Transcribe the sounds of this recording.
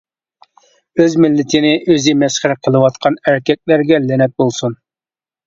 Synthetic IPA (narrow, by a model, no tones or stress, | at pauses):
øzmɪlːɪt̪ʰɪnɪʔøzɪmɛsχæɾqʰəlˠɨwɑt̪qʰɑnæɾkʲɛk̚ʲlæɾɡʲɛlɪnɛt̪̚bolˠsun